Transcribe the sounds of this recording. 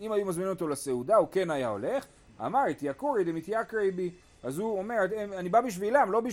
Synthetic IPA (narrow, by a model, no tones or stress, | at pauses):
imajumazminimot̪olase̞udauke̞najao̞̰le̞χ | a̰maʁit̪jakuʁid̪emit̪jakʁejbi | azuomeʁetemanibabiʃ̬vilamlo̞bi